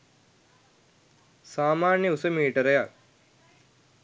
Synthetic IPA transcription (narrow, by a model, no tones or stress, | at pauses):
saːmaːnjəusəmiːʈəɾəjak̚